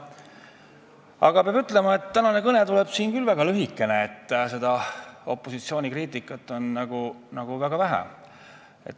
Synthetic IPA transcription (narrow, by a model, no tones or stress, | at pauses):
ɑɡ̥ɑpeɑb̥yt̪ːˑle̞mɑe̞t̪ːænɑne̞kɤnet̪uleb̥siːnkylvæɡ̥ɑlyɦikːˑeneet̪ːse̞d̪̥ɑo̞̰pˑːo̞sit̪sio̞ːnʲikriːt̪ːˑikːˑɑt̪ːˑo̞nːɑɡ̥unɑɡ̥uvæɡ̥ɑvæɦæ̰ | ḛt̪ː